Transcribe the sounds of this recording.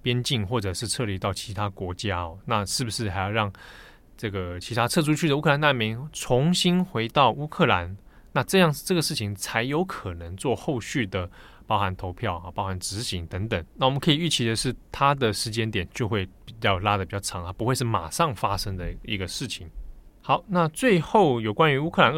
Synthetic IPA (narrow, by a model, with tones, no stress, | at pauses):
pjɛ˥nt͡ɕi˥˧ŋxwɔ˥˩ʈ͡ʂɤ˨˩ʂɻ̩˥˧t͡sʰɤ˥˧li˧˥˩t̪ɑ˥˩ʊt͡ɕʰi˧˥t̪ʰa˥kwɔ˧˥t͡ɕja˦˥ɔ˨˩na˥˧ʂɻ̩˥˩bu˩ʂɻ̩˥˩xa˧˥ɪjɑ˥˧ʊɻɑ˥˩ŋ | ʈ͡ʂɤ˥˩ɡə˩t͡ɕʰi˧˥t̪ʰa˥t͡sʰɤ˥˩ʂʰu˥t͡ɕʰy˥d̪ə˨u˥kʰɤ˥˩la˧na˥˧nmi˧˥ŋt͡sʰʊ˧˥ŋɕi˥nxwe˧˥ɪt̪ɑ˥˩ʊʔu˥kʰɤ˥˩la˧˦n | na˥˧ʈ͡ʂɤ˥˧jɑ˥˧ŋʈ͡ʂɤ˥˩ɡə˩ʂɻ̩˥˩t͡ɕʰi˨˩ŋt͡sʰa˧˥ɪjo˧ʊkʰɤ˨˩nə˧˦ŋt͡swɔ˥˧xo˥˧ʊɕy˥˩d̪ə˩ | pɑ˥ʊxa˧˦nt̪ʰo˧˥ʊpʰjɑ˥˩ʊɐ˨˩pɑ˥ʊxa˧˦nʈ͡ʂɻ̩˧˥ɕi˧˥ŋt̪ə˧˥ŋt̪ə˨˩˦ŋna˥˩wɔ˨˩mə˦nkʰɤ˧˥i˨˩y˥˩t͡ɕʰi˧˥d̪ə˨ʂɻ̩˥˩t̪ʰa˥d̪ə˨ʂɻ̩˧˥t͡ɕjɛ˥nt̪jɛ˨˩nt͡ɕjo˥˧ʊxwe˥˩ɪpi˨˩t͡ɕɑ˥˩ʊla˥d̪ə˩pi˨˩t͡ɕjɑ˥˩ʊʈ͡ʂʰɑ˧˦ŋt̪ʰa˥pu˧˥xwe˧ɪʂɻ̩˥˩ma̰˨˩ʂɑ˥˩ŋfa˥ʂə˥ŋd̪ə˨i˧˥ɡə˧ʂɻ̩˥˩t͡ɕʰi˨˩˦ŋxɑ˨˥ʊna˥˧t͡swe˥˧ɪxo˥˩ʊjo˨˩ʊkwa˦ny˧˥u˥kʰɤ˥˩a˧˦n